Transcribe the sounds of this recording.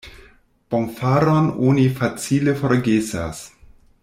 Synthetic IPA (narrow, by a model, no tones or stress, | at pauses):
pomfaɾononifat͡silefoɾɡesa̰s